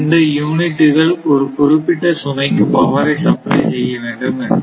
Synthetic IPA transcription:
nɖɐjuːnɪʈːɯɣɐɭɔɾɯpʊɾɪpːɪʈːɐsʊnɐɪkːɯpɐʋɐɾɐɪsɐpɾɐ̰ɪsɛjːɐʋeːɳɖɯmɐ

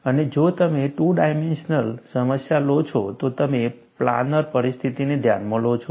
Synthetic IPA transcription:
əned͡ʒot̪əmeʈuɖajmenʃnəlsəməsjalot͡ʃʰot̪ot̪əme | pla̰nəɾpəɾist̪ʰit̪ined̪ʱja̰nmõlot͡ʃʰo

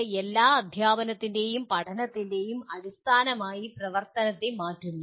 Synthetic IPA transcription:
elːaːɐd̪ʱjaːbɐnɐt̪ːinde̞jumpɐʈʰɐnɐt̪ːinde̞jumɐɽist̪ʰaːnɐmaːjiprɐʋɐrt̪ɐnɐt̪ːemaːtːunːu

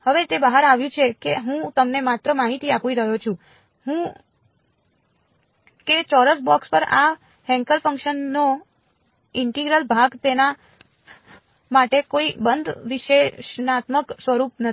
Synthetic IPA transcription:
həʋet̪ebaɦaɾaʋjũt͡ʃʰekeɦũt̪əmnemat̪ɾəmaɦit̪iapʋiɾəɦjot͡ʃʰũ | ɦũ | ket͡ʃɔɾəsbɔkspəɾa̰ | ɦɛ̃ŋkəlfə̃ŋkʃənːo | ɪɳʈiɡɾəlbʱaɡt̪ena | maʈekoibənd̪ʱʋiʃeʃnat̪məksʋəɾupnə

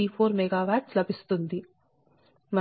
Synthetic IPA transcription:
ipʰoːɾmɛɡaːʋaːʈslɐbʱist̪und̪i | mɐ

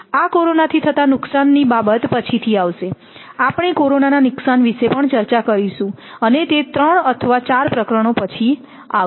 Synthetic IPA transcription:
akoɾonat̪ʰit̪ʰət̪anʊksanːibabət̪pət͡ʃʰit̪ʰiaʋʃe | apɳ̃ikoɾonananʊksanʋiʃepəɳt͡ʃəɾt͡ʃakəɾiʃũənet̪et̪ɾəɳət̪ʰəʋat͡ʃaɾpɾəkɾəɽ̃opət͡ʃʰi | a̰

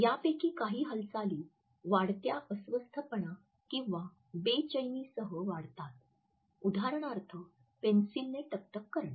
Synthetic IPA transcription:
japekiːkaɦiːɦəlsaliː | ʋaɽt̪jaʔəsʋəst̪ʰəpəɳa | kĩw̃ʋa | bet͡ɕəjniːsəɦəʋaɽt̪at̪̚ | ud̪ʱaɾəɳ̃aɾt̪ʰə | pensilnːeʈəp̚t̪əkːəɾɳa

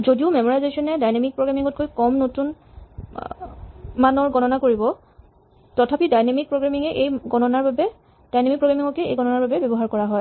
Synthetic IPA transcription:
zodiʊmɛmɔɹajzesɔnɛdajnemik̚pɹoɡɹamiŋɔt̚kojkɔmnotun | manɔɹɡɔnɔnakoɹibɔ | tɔtʰapidajnemik̚pɹoɡamiŋɛʔejɡɔnɔnaɹbabɛ | dajnemikpɹoɡɹamiŋɔkɛḛjɡɔnɔnaɹbabɛbɔbɔɦaɹkɔɹaɦɔj

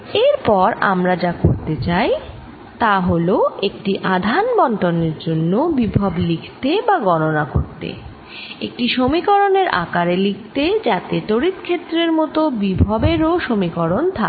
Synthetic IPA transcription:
eɾpɔɾa̰mɾad͡ʑakoɾt̪et͡ɕaj | t̪aɦoloek̚ʈiʔad̪ʱanbɔɳʈoneɾd͡ʑonːobibʱablikʰt̪ebaɡɔnonako̰ɾt̪ḛ | ek̚ʈiʃomikɔɾoneɾa̰kaɾelik̚ʰt̪ed͡ʑat̪eʈoɾit̪kʰet̪ːɾeɾmɔt̪obibʱɔbeɾoʃomikɔɾont̪ʰa

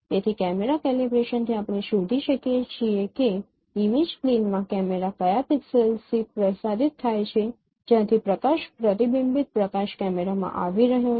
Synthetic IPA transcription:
t̪et̪ʰikɛmeɾakɛlibɾeʃənt̪ʰiapɽ̃eʃud̪ʱiʃəkjet͡ʃʰieke | imid͡ʒklinmãkɛmeɾakəjapiksəlsipɾəsaɾit̪ʰːajt͡ʃʰe | d͡ʒjãt̪ʰipɾəkaʃpɾət̪ibimbit̪̚pɾəkaʃkɛmeɾamã̰ʔaʋiɾəɦjõ

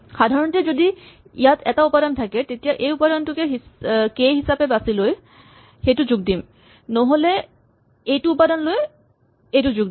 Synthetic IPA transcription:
xadʱaɹɔntɛzodi | ḭjatʰɛtaupadɔntʰakɛtetijaʔejupadɔntʊkɛɦikejɦisapɛbasiloj | xejtʊzuɡ̚dim | nɔɦolɛ | ejtʊːpadɔnloj | ejtʊzuɡ̚d

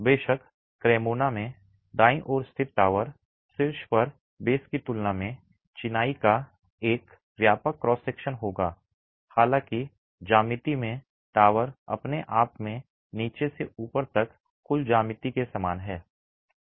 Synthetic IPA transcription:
beːʃəkː | ɾeːmoːnamẽ | ɖ̪aːĩʔɔːɾst̪ʰɪt̪ʈaːʋəɾ | sɪlʃpɐɾ | beːskit̪ʊlnamẽ | t͡ʃɪnaːika | eːk | ʋjaːpəkːɾɔːseːkʃənɦoːɡaː | haːlãːki | d͡ʒaːmɪt̪imẽ | ʈaːʋəɾɐ̰pneʔaːpmẽ | niːt͡ʃeseuːpəɾt̪ɐkː | ʊld͡ʒaːmɪt̪ikesɐmaːnɦɛː

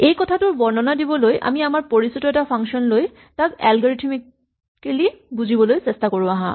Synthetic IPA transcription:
ejkɔtʰatʊɹbɔɹnɔnadibɔlojʔa̰miamaɹpoɹisitɔɛtapʰaŋkʃɔnloj | takɛ̰lɡɔɹitʰimik | kːelibuzibɔlojsɛstakoɹũaɦã̰

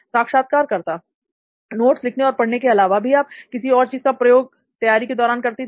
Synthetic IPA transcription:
saːkʃaːt̪̚kaːɾkɐɾt̪a | noːʈslɪkʰneɔːɾpɐɽnekeɐlaːʋabʱiaːp̚kɪsiɔːɾt͡ʃiːzkapɾɐjoːɡ̚ | t̪ɐjaːɾiked̪ɔːɾaːnkɐɾt̪i

